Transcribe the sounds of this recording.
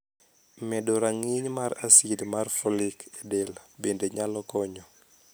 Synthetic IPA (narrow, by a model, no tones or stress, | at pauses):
mɛdɔɾaŋiɲmaɾasidmarfɔlikedelbendeɲalɔkɔɲɔ